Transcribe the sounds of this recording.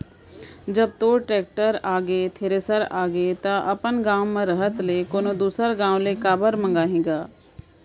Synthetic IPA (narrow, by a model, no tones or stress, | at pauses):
d͡ʒəb̚t̪oːʈɾɛːk̚ʈəɾaːɡet̪ʰeːɾeːsəɾaːɡet̪ãʔəpənɡãːwmãɾəɦət̪leːkoːnoːd̪uːsəɾɡãːw̃leːkaːbəɾmə̃ŋɡaːɦĩːɡaː